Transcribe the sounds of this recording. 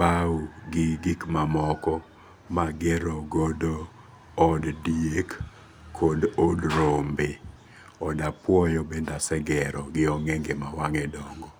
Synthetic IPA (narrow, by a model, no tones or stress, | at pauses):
pauɡɪɡikmamɔkɔ | maɡɛɾɔɡodoː | ddiek | kʰːɔdodɾombe | ɔdapwɔjɔbendasɛɡɛɾɔɡɪɔŋɛŋɡemawaŋɛdɔŋɡɔ